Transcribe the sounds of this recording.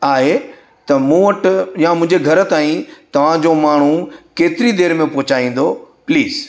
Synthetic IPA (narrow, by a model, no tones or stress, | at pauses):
aːɦe | t̪ɐmũːʋɐʈ̆jamʊ̃ɦɪ̃ɲd͡ʑeɡʱɐɾ̆t̪aːĩt̪ɐʋ̤ãd͡ʑomaːɳ̤ukeːt̪ɪɾid̪eːɾmẽpoɦt͡ɕaːĩːn̆d̪opliːz